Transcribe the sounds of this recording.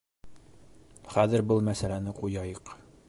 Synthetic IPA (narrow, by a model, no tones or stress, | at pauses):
χæðɘ̆ɾbɤlˠmæsælænɘqujɑjɤq